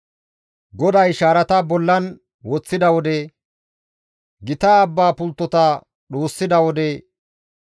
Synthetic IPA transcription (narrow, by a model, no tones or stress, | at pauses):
ɡɔd̪ɐjʃaːɾɐt̪ɐbɔlːɐn | wɔt͡sːɪd̪ɐwɔd̪ɛ | ɡɪt̪aːbːaːpʊlt̪ːɔt̪ɐ | ɗoːsːɪd̪ɐwɔd̪ɛ